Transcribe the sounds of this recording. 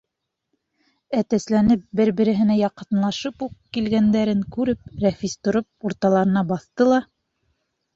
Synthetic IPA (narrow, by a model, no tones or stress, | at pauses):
æt̪æslænɘp̚bɘɾbɘ̆ɾɘ̆ɦɘ̆næjɑqɤ̆nlˠɑʃɤpuqkilɡænd̪æɾɘŋkʉɾɘp̚ɾefist̪ŏɾop̚uɾt̪ɑlˠɑɾɤ̆nɑbɑθt̪ɤlˠɑ